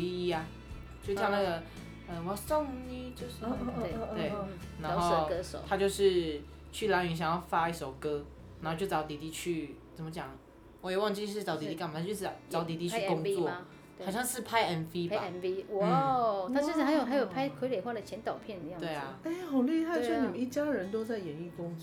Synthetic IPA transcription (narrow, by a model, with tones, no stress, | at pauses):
i˥˧i˥ɐ˨ | t͡ɕjo˥˧ʊjna˥˩ɡə˩ | ə˧˩wɔ˧˩so˥˧ŋni˥t͡ɕjo˥˧ʊʂɻ̩˥˩˥twe˥˩ɪna˧˥˨ŋxo˥ʊ˩ə˥ʂo̰˨˦tʰa˥t͡ɕjo˥˧ʊʂɻ̩˥˩ | t͡ɕʰy˥˩la˧˥ny˧˥ɕ̬jɑ˨˩ŋjɑ˥˩ʊfa˥i˥ʂo˨˩ʊkɤ˧˥ | na˨˧˥xo˥˧t͡ɕjo˥˩ʊt͡sɑ˧˥ʊt̪i˨˩t̪i˥˧t͡ɕʰy˥˩t͡sə˨˩mə˦t͡ɕjɑ˨˩ŋ | wɔ˧˦jɛ˨˩wɑ˥˧ŋt͡ɕi˥˧˥ɑ˧˥ʊt̪i˨˩i˥˩ma˨˩a˥t͡ɕjo˥˧ʂɻ̩˥˩˨t͡sɑ˧˥t̪i˧˥t̪i˥˧t͡ɕʰy˥kʊ˥ŋt͡swɔ˥˧˥ | xɕjɑ˥˧ŋʂɻ̩˥˩pʰa˥ɪɛ˧˥nfi˥ba˨˧˩nfi˥wa˥˩t̪ʰa˥˧ʂ̩˥˩a˧˥njo˨˩xa˧˥ɪjo˨˩ʊpʰa˥ɪkʰwe˧˥ɪle˨˩xwa˥˩də˩t͡ɕʰjɛ˧˥nt̪ɑ˨˩ʊpʰjɛ˥˩nə˧jɑ˥˩we˥˩ɪɐ˩e˥˩xɑ˨˩ʊli˥˧xa˥˩ɪ˥˩ni˨˩ə˦ni˥˩t͡ɕja˥ɻə˧˦nt̪o˥ʊt͡sa˥˩ɪjɛ˨˦ny˥˩kʊ˥ŋ˨